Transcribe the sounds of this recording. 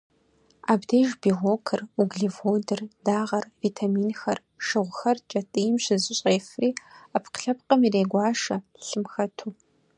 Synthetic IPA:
aːbdeːʒbiːʁʷoːkʰɨruɡɮivodɨrdaːʁɐrviːtʰamiːnxɐr | ʂɨʁʷxɐrt͡ʃʼɐtʼɨjmɕɪzɪɕʼeːfriːapqɬɐpqɐmiɾeːɡʷɑːʂɐ | ɬɨmxɐtʰuː

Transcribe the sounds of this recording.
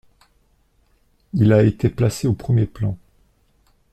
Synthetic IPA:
ilaet̪eplaseopχəmjeplɑ̃

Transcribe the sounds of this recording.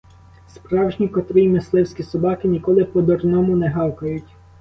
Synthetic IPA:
spɾɑwʒnʲikɔt̪ɾɪjmɪslˠɪwsʲkʲisɔbɑkɪnʲikɔlˠɪpɔd̪ɔrnɔmʊnɛɦɑwkɐjʊtʲ

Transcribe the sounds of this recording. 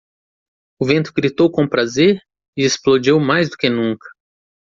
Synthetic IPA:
ʊvẽnt̪ʊɡɾit̪owkõpɾazeɾ | ɪesplod͡ʒewmajzd̪ʊkɪnũŋkɐ̥

